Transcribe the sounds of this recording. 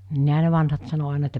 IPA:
niːɦæ ne ʋɑnhɑt sɑno ɑˑinɑ etːæ

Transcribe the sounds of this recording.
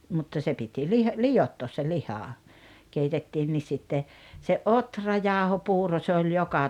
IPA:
mutːɑ se piti lih lijotːoːs se lihɑ keitetːiːnːis sitːe se ʔotrɑjɑˑohopuːro se olʲ jokɑ

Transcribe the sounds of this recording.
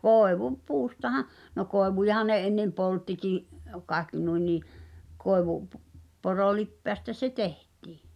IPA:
puːstɑhɑ no koeʋujɑhɑn̆ ne enːem poltːikiˑʔ kɑekːi nui niː koˑeʋu p porolipːeæstæ se tehtˑi̥ː

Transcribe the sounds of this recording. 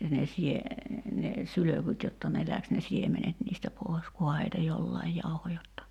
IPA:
ne sie ne syløkyt jotːɑ ne læks ne siemenet niːstæ poˑi̞s kuhɑ heitæ jolːɑij jɑuho jotːɑ

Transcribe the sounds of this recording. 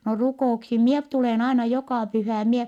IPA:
no rukoˑuksim mie p tuleˑn ɑinɑ jokɑˑ pyhæˑ em mie

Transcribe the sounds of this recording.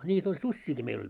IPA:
nʲiːt olʲ susʲːiːki meil olʲ

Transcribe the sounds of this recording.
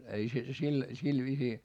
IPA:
ei se sil sil ʋiːsiː

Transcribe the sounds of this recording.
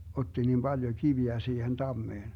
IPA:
otːi nim b̥ɑljo kiʋiæ siːhen tɑmːeːn

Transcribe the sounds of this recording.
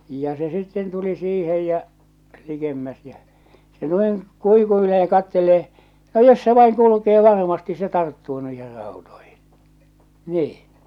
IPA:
jɑ se sitːen tuli siːhej jæ likemːæs jæ se noiŋ kuikuileː jɑ kɑtːeleː no jos se ʋɑiŋ kulukeː ʋɑrmɑsti se tɑrtːuː nuih̞er rɑˑutoihi̥n̥ niːĩ

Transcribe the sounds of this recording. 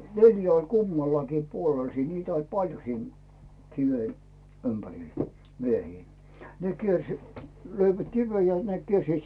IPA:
neljæ olʲ kumːɑlːɑkiː puolel siːn niːtæ olʲ pɑljo siːn kiʋe ympæril miehiː ne kiers løiʋæt kiʋej jɑ ne kiersiːt

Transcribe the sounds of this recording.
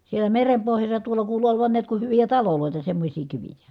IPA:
sielæ merem pohjɑsːɑ tuolɑ kuːlu oloʋɑn niæt ku hyʋijæ tɑloloˑitɑ semːosʲiː kiʋijæ

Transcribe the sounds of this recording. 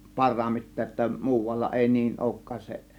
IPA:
pɑrˑɑːmːitˑe ŏtːɑ muːʋɑlːɑ eˑi niːn oˑŭkːɑːs se

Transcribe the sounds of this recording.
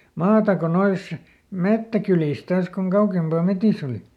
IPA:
mɑːtɑ ko nois metːækyliˑs tɑːs koŋ kɑukempɑˑ metis oli

